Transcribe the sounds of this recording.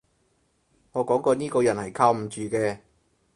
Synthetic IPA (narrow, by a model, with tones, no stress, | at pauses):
ŋɔː˨˧kɔː˨˥ŋkɔː˧niː˥kɔː˧jɐ˨˩nhɐ˨˩jkʰaː˧wm̩˨˩t͡ʃyː˨˩kɛː˧